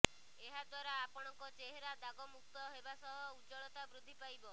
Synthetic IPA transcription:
eɦad̪waɾaːpɔɽ̃ɔŋkɔt͡ʃeɦeɾad̪aɡɔmuk̚t̪ɔɦebasɔɦɔud͡ʒɔɭɔt̪abɾud̪ʱːipajbɔ

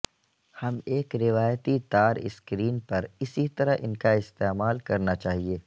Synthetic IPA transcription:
hɐmeːkɾɪʋaːjət̪it̪aːɾɪ̰skɾiːnpɐɾɪsit̪ɐɾəɦʔɪ̰nkaɪst̪eːmaːlkɐɾnat͡ʃaːɦieː

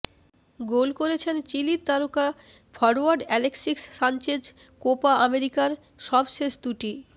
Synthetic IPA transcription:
ɡolkoɾet͡ɕʰent͡ɕiliɾt̪aɾuka | fʰɔɾaɾɖɛleksiksːant͡ɕed͡ʑ | kopaameɾikaɾ | ʃɔbʃeʃd̪uʈi

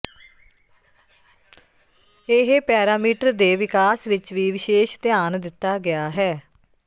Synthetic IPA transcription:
eɦpɛːɾaːmiːʈəɾd̪eːʋɪkaːsʋɪt͡ʃʋiːʋɪʃeːʃt̪ɪjaːnd̪ɪt̪ːaːɡɪaːɦɛː

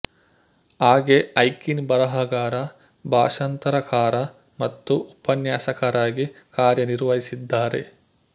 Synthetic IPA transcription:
aːɡeɐjkinbɐɾɐɦɐɡaːɾɐ | bʱaːʂɐnt̪ɐɾɐkaːɾɐ | mɐt̪ːuʔupɐnjaːsɐkɐɾaːɡikaːɾjɐniɾʋɐɦisid̪ːaːɾḛ

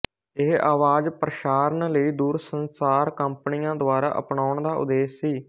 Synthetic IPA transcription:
ɪɦaːʋaːd͡ʒpɾəʃaːɾənləiːd̪uːɾsənsaːɾkəmpənijãːd̪oaːɾa̰ːʔə̰pɳaːʊɳd̪aːʊ̰d̪eːsːiː

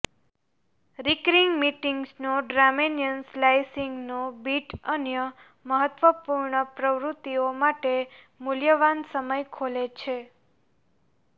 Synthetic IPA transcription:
ɾikɾiŋɡmiʈiŋɡsnoɖɾamenjənslajsiŋɡnobiʈənjə | məɦət̪ʋəpuɾɳəpɾəʋɾut̪ːiomaʈe | muljəʋansəməjkʰolet͡ʃʰe

